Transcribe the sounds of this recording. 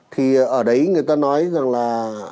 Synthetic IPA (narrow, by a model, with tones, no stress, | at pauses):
t̪ʰi˨˩ʔəː˧˩ɗə˨˦jŋɨ˨˩əjt̪aː˧nɔ˨˦jza˨˩ŋlaː˨˩